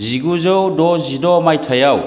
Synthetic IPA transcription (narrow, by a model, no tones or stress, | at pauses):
ziɡuzɯwdɔzidɔmajtʰɐjaw